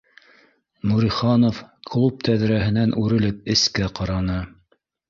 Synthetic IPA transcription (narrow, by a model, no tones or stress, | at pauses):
nuɾiχɑnofkʰlˠup̚t̪æðɾæɦɘ̆nænʔʉɾɘ̆lɘp̚ɘ̆skæqɑɾɑnɤ